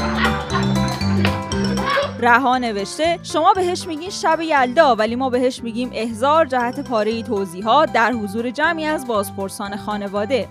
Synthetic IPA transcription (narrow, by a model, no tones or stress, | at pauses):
ɾæɦɒːne̞ve̞ʃt̪e̞ʃo̞mɒːbe̞ɦe̞ʃmiːɟiːnʃæbejæld̪ɒːvæliːmɒːbe̞ɦe̞ʃmiːɟiːmʔe̞hzɒːɾd͡ʒæhæt̪ʰepʰɒːɾe̞jit̪ʰoziːɦɒːt̪̚d̪æɾɦozuːɾe̞d͡ʒæmiːæzbɒːzpʰo̞ɾsɒːne̞xɒːne̞vɒːd̪e̞